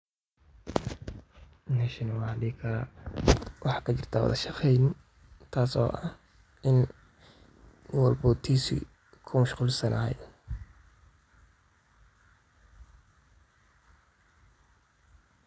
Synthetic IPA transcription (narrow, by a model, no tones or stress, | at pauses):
nɛʃɪnɐwɑhɐd̪iːkʰɐɾa | wɑħɑːkʰɐt͡ʃɪrt̪ʰaːwɔ̰ðɐ̰ʃɐfɛjn | t̪ʰaːsɔ̰ːʔɐh | ɪn | wɑlbʊːt̪ʰiːsɪ̰ | kʰʊmɐʃquːlsɐnʔɐ̰ɦj